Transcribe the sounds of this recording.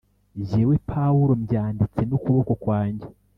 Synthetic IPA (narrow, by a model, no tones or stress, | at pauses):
ɟewepʰawuɾo̞mɟaːndit͡se̞nukuβo̞ko̞kwaːɲɟe